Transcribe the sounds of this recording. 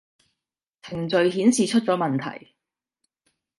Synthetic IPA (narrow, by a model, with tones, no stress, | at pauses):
t͡s̪ʰɪ˨˩ŋt͡sɵ˨ɥɦiː˨˥nsiː˨t͡ʃʰɵ˥t̚t͡sɔː˨˥mɐ˨nt̪ʰɐ̰˨˩j